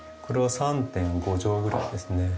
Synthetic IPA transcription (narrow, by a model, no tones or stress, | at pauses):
kɯɾe̞wasʰant̪e̞nɡod͡ʑoɡɯɾad̪e̞sɯne̞